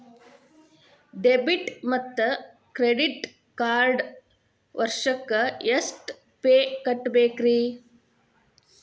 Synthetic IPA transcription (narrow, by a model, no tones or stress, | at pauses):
ɖebiʈmɐt̪ːɐ | kɾeɖiʈ | kaːɾɖ | ʋɐɾʂɐkːɐjɐsʈ | peːkɐʈːbeːkɾi